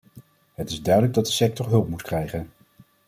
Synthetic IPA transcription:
ɦətɪzdœɥdələɡ̚dɑt̚dəsɛk̚tɔɹɦɵlˠpmutkrɛjχən

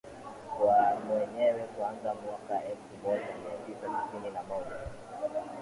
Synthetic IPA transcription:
kwamwɛɲɛwɛkuanzamwakaɛlfumɔʄamiatisaiθininamɔʄa

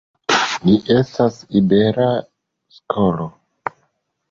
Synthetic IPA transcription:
niʔe̞stasibe̞ɾa | skʰolo

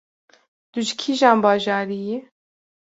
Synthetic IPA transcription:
d̪̥uʒikʰiʒɑːnbɑːʒɑːɾije

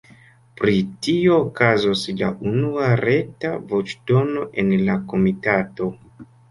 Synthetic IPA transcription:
pɾitio̞ːkazosla̰ʔunuaɾe̞tavo̞t͡ʃdo̞no̞ʔe̞nlako̞mitato̞

